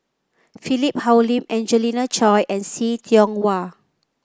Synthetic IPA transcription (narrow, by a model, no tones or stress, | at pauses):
filip̚hawlĩmɛ̃nd͡ʒəlinat͡ʃɔjʔɛ̃nsitʰiɔ̃ŋwa